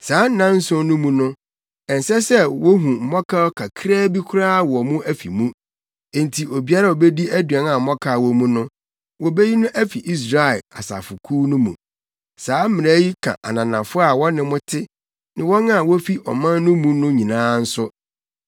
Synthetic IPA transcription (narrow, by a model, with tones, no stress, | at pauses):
saː˨˦n̩˦nã˦n̩˦sʊ˦nʊ̃˦mũ˦nʊ̃˦ | ɛ˨n̩˨sɛ˦sɛ˦wo˦ɦũ˨m̩˨˦mɔ˦kʰa˦ɔ˦kʰa˨kʰɾɛː˦bi˦kʰʊ˦ɾa˦˨wɔ˨mũ˦ʔæ˦fḭ˨mũ˦ | ẽ˨n˨tʰi˨ʔo˨bi˦a˦ɾa˦wo˨be˦di˦æ˦dɥɛ˨na˨m̩˨mɔ˦kʰa˦˨wɔ˦mũ˦nʊ̃˦ | wɔ˨be˦ji˦nʊ̃˦ʔæ˦fi˨ʔi˦s̬ɾa˨ɛ˨a̰˨sa̰˨fʊ˨kʰuː˦nʊ̃˦mṵ̃˨ | saː˨˦m̩˦mɪ̃˨ɛ˦ji˦kʰã̰˨ʔa˨nã˨nã˨fʊ˦a˨wɔ˦nɪ̃˦mʊ̃˦tʰɪ˦ | nɪ̃˨wɔ̃˦na˦˨wo˦fi˦ʔɔ̰˨mã˦nː˦ʊ̃˦mũ˦nʊ̃˦ɲĩ˨nãː˦n̩˦sʊ˦